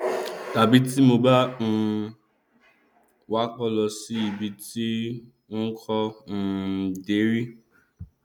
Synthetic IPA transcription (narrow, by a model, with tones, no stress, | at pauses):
ta˨bi˦ti˦mo˧ba˦n̩˦ | wa˦k͡pɔ˦lɔ˧si˦i˨bi˧ti˦ | n̩˦kʰɔ˦n̩˨de˨˦ɾi˦